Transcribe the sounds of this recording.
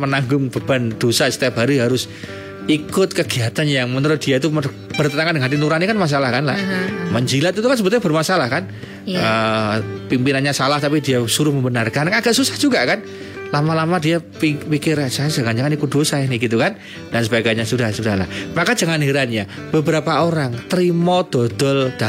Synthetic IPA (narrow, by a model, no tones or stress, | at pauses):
mənaŋɡʊŋb̥əb̥and̥osasə̥t̪iap̚ɦaɾuɦaɾʊs | ikʊt̪̚kəɡiat̪anjaŋmənəɾʊs̚d̥iait̪̬umə | b̥ərt̪ənaŋandəŋɦat̪inuɾanakanmas̬alahkanla̰məɲd͡ʒilat̪it̪ukansəbət̪uɲabərmasalahkan | ə | pimpinanɲasalaht̪apidiasuɾʊhməmbənarkankaaɡaʔsusḁhd͡ʒuɡaʔkan | lamalamadiapipikɪɾasad͡ʒaŋand͡ʒaŋanikʊt̪̚d̥osaahnɪhɡit̪ukan | d̥ansəbaɡajɲasudahsudahla̰hmakad͡ʒ̥aŋanɦiɾanɲa | b̥əbəɾapaoɾaŋt̪əɾimɔd̪̥od̪̥ɔld̥a